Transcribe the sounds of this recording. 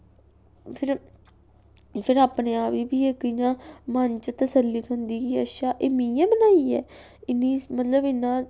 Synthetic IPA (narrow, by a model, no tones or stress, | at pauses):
pʰɪɾ | pʰɪɾaːpneːaːʋiːbiːeːkɪijãːmənt͡ʃt̪əsəlːit̪ɦʊ̃nd̪iːɡiːəʃaːʔɪmĩjãːbənaːiːɛːɪnːiːmət̪ləbɪnːãː